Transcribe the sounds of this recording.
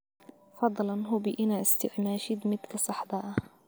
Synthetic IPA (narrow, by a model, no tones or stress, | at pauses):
fɑd̪ˤːlɑnɦʊbɪʔɪnaʔɪst̪ɪʕmaːʃid̪mɪt̪kasˤɑħd̪ˤɑːʔa